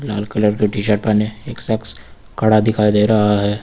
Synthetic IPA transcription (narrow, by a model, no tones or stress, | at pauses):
laːlkələɾkeʈiːʃ̬əɾʈ̚paːneeːksəks | kɐɽad̪ɪkʰaːid̪eːɾɐɦaɦɛː